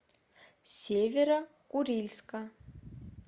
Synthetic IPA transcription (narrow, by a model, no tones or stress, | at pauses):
sevʲeɾɐkʼurilʲska